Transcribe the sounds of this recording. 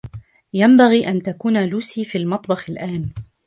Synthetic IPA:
jambaɣiːʔant̪akuːnaluːsiːfiːlmɑt̪ˤbɑxalʔaːn

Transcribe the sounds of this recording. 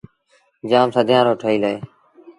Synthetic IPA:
d͡ʒaːmsəd̪ʱjãːɾoːʈʰəiːləeː

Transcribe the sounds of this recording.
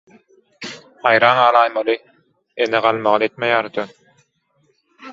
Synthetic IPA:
ɑjɾɑːnɑːɾɑːjmɑlɯ | eneʁɑlˠmɑʁɑet̪mejaːɾd̪ʰøn

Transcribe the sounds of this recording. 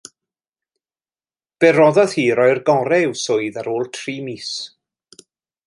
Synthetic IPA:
b̥ɛɾɔðɔð̥hiːɾɔɨrɡɔɾɛɪwsʊɨðaɾoːlˠtʰriːmiːs

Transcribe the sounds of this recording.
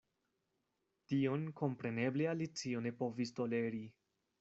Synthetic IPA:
tio̞nko̞mpɾe̞ne̞blealit͡sio̞ne̞po̞visto̞le̞ɾi

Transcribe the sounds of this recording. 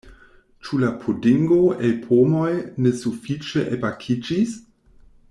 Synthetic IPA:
t͡ʃulapʰudiŋɡoepʰomojnesufit͡ʃeʔebakʰid͡ʒis

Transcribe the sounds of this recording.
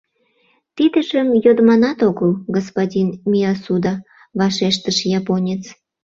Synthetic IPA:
t̪id̪əʃəmjod̪mɑnɑt̪oɣəlɡospodʲinmʲiɑsud̪ɑ | βɑʃeʃt̪əʃjɑponʲet͡s

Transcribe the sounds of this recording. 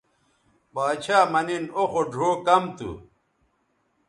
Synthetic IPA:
baːt͡ɕʰaːmɐninoxoɖʱoːkɐmt̪ṵ

